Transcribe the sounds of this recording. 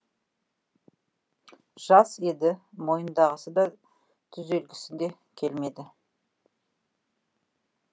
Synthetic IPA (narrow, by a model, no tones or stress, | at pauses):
ʒ̥ɑsed̪ɪmo̞jənd̪ɑʁəsəd̪ɑ | t̪ʰʏzelɡʲɪsɪd̪e | kʲʰe̞lme̞d̪ɪ